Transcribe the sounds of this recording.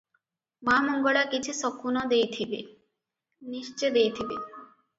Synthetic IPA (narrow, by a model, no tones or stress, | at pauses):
mamoŋɡoɭakit͡ɕʰusɔkʰunod̪ejt̪ʰibḛ | niʃt͡ɕed̪ejt̪ʰibe